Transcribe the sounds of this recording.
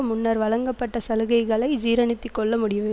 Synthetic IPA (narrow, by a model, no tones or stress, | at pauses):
ɐmʊnːɐɾʋɐɻɐŋɡɐpːɐʈːɐsɐlɯɣɐɪɣɐɭɐɪd͡ʒiːɾɐnɪt̪ːikːɔɭːɐmʊɽɪjɐʋɯ